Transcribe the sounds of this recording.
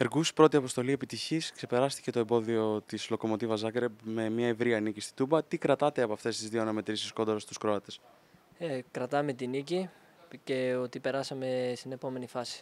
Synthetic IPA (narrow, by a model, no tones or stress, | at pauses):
e̞ɾɣuspɾo̞t̪iɐpo̞st̪o̞lie̞pit̪içiskse̞pe̞ɾɐst̪i̥ce̞t̪o̞embo̞ðio̞t̪islo̞ko̞mo̞t̪ivɐzɐɡɾepme̞mɲɐe̞vɾiɐnicist̪i̥t̪ubɐt̪ikɾɐt̪ɐt̪e̞ɐpoɐft̪e̞st̪izðio̞nɐme̞t̪ɾisiskod̪ɾost̪uskɾo̞ɐt̪e̞s | ekɾɐt̪ɐme̞t̪inici | ce̞ot̪ipe̞ɾɐsɐme̞st̪ine̞po̞me̞nifɐsi̥